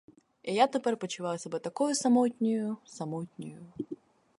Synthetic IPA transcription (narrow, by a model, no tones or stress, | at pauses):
ijat̪ɨpɛɾʲpət͡ɕɪvajʊsɐbɛt̪ɐkojʊsɐmot̪ʲnʲʊjʊsɐmɔtʲnʲʊjʊ